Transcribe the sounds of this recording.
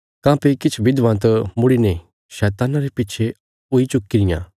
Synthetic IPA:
kãːpekɪt͡ʃʰʋɪd̪ʋãt̪̬ɐmʊɽine | ʃɛːt̪aːnaɾepɪtːt͡ʃʰe | ʊit͡ʃʊkːiɾɪjã̰

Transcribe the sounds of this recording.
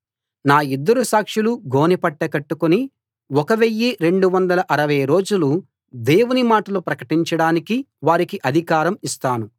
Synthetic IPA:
naːid̪ːɐɾusaːkʂiluɡʱo̞ːnipɐʈːɐkɐʈːukuni | ɔkɐʋejːiɾe̞ɳɖuʋɐnd̪ɐlɐʔɐɾɐʋɐjɾo̞ːd͡ʒulu | d̪e̞ːwunimaːʈɐlupɾɐkɐʈiɲt͡ʃɐɽaːniki | ʋaːɾikiʔɐd̪ʱikaːɾɐmist̪aːnu

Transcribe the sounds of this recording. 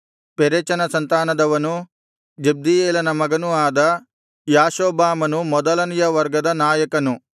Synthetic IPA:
peɾet͡ʃɐnɐsɐnt̪aːnɐd̪ɐʋɐnu | d͡ʒeb̚d̪ijeːlɐnɐmɐɡɐnuaːd̪ɐ | jaːʃoːbaːmɐnumɔd̪ɐlɐnijɐʋɐɾɡɐd̪ɐnaːjɐkɐnu

